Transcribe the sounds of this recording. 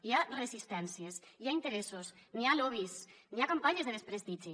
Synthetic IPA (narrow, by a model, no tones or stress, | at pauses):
iarezist̪ɛnsiesiaint̪eɾesosnialoβisniakampaɲezðeðespɾest̪iʒi